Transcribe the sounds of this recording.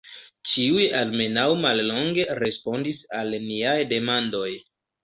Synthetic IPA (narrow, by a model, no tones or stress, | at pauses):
t͡ʃiujalme̞nawmallo̞ŋɡe̞ɾe̞spo̞ndisalniajde̞mando̞j